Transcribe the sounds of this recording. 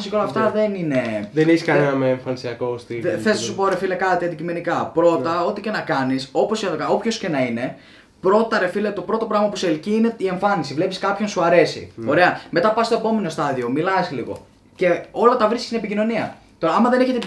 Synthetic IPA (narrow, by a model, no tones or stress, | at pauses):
sikolɐft̪ɐðe̞nine̞ðeneçiskɐnenɐmeːɱfɐnisiɐko̞st̪iθelesnɐsupo̞ɾe̞filekɐt̪iɐnd̪icime̞nikɐpɾo̞t̪ɐo̞t̪ice̞nɐkɐniso̞posjɐt̪okɐo̞pço̞sce̞nɐine̞ | pɾo̞t̪ɐɾe̞filet̪o̞pɾo̞t̪o̞pɾɐɣmɐpuseliciine̞ie̞ɱfɐnisivle̞piskɐpço̞nsuɐɾe̞sḭo̞ɾe̞ɐme̞t̪ɐpɐst̪oepo̞me̞no̞st̪ɐðio̞milɐsliɣo̞̰ | ce̞o̞lɐt̪ɐvɾiski̥sinepicino̞niɐ | t̪o̞ɾɐɐmɐðe̞ne̞çet̪e